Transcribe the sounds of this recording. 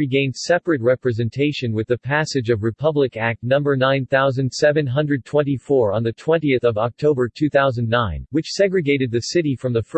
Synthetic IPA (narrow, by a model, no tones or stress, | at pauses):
ɹiɡẽɪ̃nd̥ssɛpɹɨt̚ɹɛpɹɨzɛ̃ntʰeɪʃɨ̃nwɨðɨpʰæsɨd͡ʒʌvɹɨpʰʌblɨkæk̚tnʌ̃mbə˞nãɪ̃nθaʊzɨ̃nd̥sɛvɨ̃nɦʌ̃ndɹɨd̚tʰw̥ɛ̃ntifɔɹə̃nðɨtʰw̥ɛ̃ntiɨθʌvɑk̚tʰoʊbə˞tʰʉθaʊzɨ̃n̩ːãɪ̃nnwɨt͡ʃsɛɡɹɨɡeɪɾɨd̪̚ðɨsɪɾifɹʌ̃mðɨf